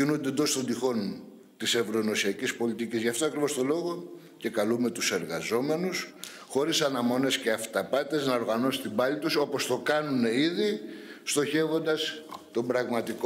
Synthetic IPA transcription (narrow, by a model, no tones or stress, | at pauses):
inund̪end̪o̞st̪o̞nd̪ixo̞n | t̪ise̞vɾo̞eno̞siɐcispo̞lit̪icizʝɐft̪oɐkɾivo̞st̪o̞lo̞ɣo̞ | ce̞kɐlume̞t̪use̞ɾɣɐzo̞me̞nus | xo̞ɾisɐnɐmo̞ne̞sce̞ɐft̪ɐpɐt̪e̞znɐo̞ɾɣɐno̞sit̪ibɐlit̪uso̞po̞st̪o̞kɐnune̞iðist̪o̞çe̞vo̞nd̪ɐst̪o̞mbɾɐɣmɐt̪iko